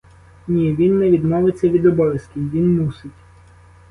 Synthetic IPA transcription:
nʲiʋʲinːɛʋʲid̪mɔʋet͡sʲːɐʋʲid̪ɔbɔʋʲjɐskʲiʋʲinmusɪtʲ

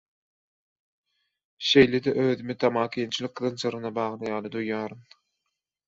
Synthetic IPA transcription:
ʃe̞jled̪ɛʔøːðymit̪ʰɑmɑːkʰiːnt͡ʃʰilˠɯk̚ːɯðɯnsɯɾɯnɑbɑːʁlˠɯjɑːlˠɯd̪ujːɑːɾum

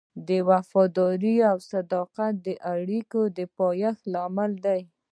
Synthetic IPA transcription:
d̪əwafɑd̪ɑɾiawsad̪ɑqat̪̚d̪əʔaɽikod̪əpɑjaxlɑmɪld̪aj

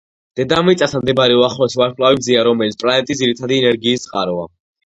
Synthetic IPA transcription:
d̪̥ɛd̪amit̪sʼasamd̪ɛbɾɛuaχlɛsvaɾkʰʼlavibd̪ziaɾɔmɛlitsʰpʼlanɛt̪ʼisd̪ziɾit̪ʰad̪iɛnɛɾɡiːst̪sʼqʼa̰ɾva̰

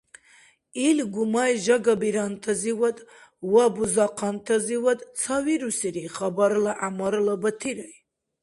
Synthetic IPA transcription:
ilɡumajʒaɡabiɾant̪ʰaziwɐd̪wabuzɑqʰɑnt̪ʰɐziwɐd̪t͡sʰawiɾusiɾiχabaɾlaʔamaɾlabət̪ʰiɾaj

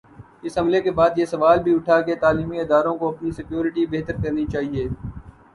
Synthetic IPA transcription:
ɪsɦɐmlekebaːd̪jesɐʋaːlbʱiʊʈʰaket̪aːliːmiɪd̪aːɾõkoɐpnisɪkjoːɾɪʈibeːɦt̪əɾkɐɾnit͡ʃaːɦieː

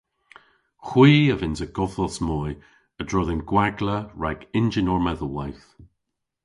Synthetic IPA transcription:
xwiːəvɪnzəɡ̥ɔfəlˠsmɔːj | ədɹɔðɪnɡ̥waɡləɹaɡɪnd͡ʒɪnɔɹmɛðəlˠwajθ

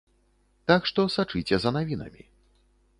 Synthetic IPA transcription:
t̪akʂt̪ɔsat͡ʂɨt͡sʲɛzɐnavʲinɐ̰mʲḭ

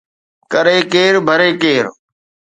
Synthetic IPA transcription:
kəɾeːkeːɾbʱəɾeːkeːɾ

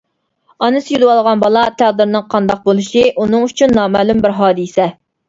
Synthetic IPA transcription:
ɑnɨsjylwɑlˠʁɑnbɑlˠɑt̪ʰæʁd̪ɨɾnɨŋqʰɑnd̪ɑq̚bolˠɨʃiʔunɨŋyt͡ʃʰynːɑːmæːlumbɪɾɦɑːd̪ɨsɛ

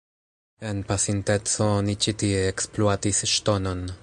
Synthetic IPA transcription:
enpasint̪ɛt͡sonit͡ʃit̪ieksploat̪isʃt̪onon

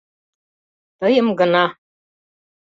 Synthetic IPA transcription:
t̪ɤjɤmɡɤ̆nɑ

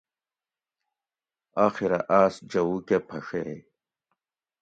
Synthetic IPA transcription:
aːxiɾɐʔaːsd͡ʑɐuːkepʰɐʂee

